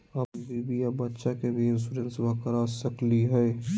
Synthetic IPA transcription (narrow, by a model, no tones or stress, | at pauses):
ɐbbiːbijabɐtːʃakebʱiɪns̬uɾə̃nsbaːkəɾasɐkliɦɛe